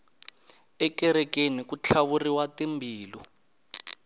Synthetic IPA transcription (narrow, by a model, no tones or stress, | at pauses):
ɛkɛɾɛkenikut͡ɬʰaβuriwatimbʱiːlɔ